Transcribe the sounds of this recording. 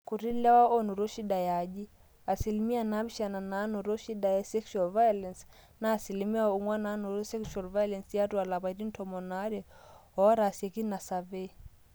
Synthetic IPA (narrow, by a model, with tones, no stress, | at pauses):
ku˨ɾi˦lɛ˦wa˦ʔɔ˦nu˨ɾɔ˦ʃi˦ɗa˨ja˨ʄi˦ | a˨si˨li˨mi˦a˨na˦bi˦ʃa˨na˨na˨˦nɔ˨ɾɔ˦ʃi˦da˨jɛ˦sɛ˦ksua˨lva˦jɔ˦lɛ˨ns | naː˨si˨li˨mi˦a˦u˨ŋwa˦na˦nu˨ɾɔ˦sɛ˦ksua˨lva˦jɔ˦lɛ˨nsja˦tu˦a˨la˨βa˨i˨ɾi˦n̩˦tʰɔmɔ˨na˦ɾɛ˨ɔ˦ɾa˨siɛ˨ki˦na˨sa˨vɛ˦